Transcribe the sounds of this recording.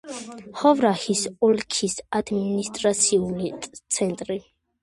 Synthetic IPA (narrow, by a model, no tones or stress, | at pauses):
χɔvɾahisɔlkʰisad̪minist̪ʼɾat̪sʰiulitʼt̪sʰɛnt̪ʼɾi